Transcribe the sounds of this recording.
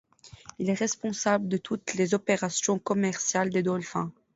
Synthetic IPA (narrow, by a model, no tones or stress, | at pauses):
ilɛʁɛspɔ̃sabləd̪ət̪ʰut̪lezɔpeʁasjɔ̃kɔmɛʁsjald̪ed̪ɔlfɛ̃